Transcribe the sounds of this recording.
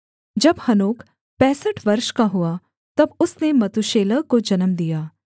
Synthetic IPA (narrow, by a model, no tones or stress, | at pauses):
d͡ʒɐbhɐnoːk | pɛ̃ːsəʈʰʋɐɾʃkaɦuaː | t̪ɐbʊsnemɐt̪uʃeːləkod͡ʒɐnəmd̪ijaː